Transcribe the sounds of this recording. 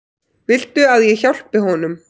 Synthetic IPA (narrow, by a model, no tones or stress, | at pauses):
vɪlt̪ʏaðjɛçawl̥pɪɦɔnʏm